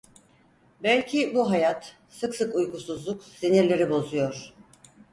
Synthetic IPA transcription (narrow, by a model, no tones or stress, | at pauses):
bælʲcʰibuɦajat̪ | sɯksɯkujkusuzlˠuksiniɾlʲeɾibo̞zujo̞ɾ̥